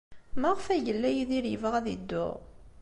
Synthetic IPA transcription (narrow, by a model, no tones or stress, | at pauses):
maʁəfæʝəlːæjiðiɾjəvəʁæðḭd̪ːʊ̰ʁ